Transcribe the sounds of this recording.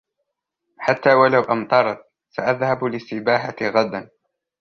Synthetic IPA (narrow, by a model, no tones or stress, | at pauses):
ħat̪ːaːwalawʔamt̪ˤɑɾˤt̪̚ | saʔaðhablɪstːɪbaːħatɣad̪an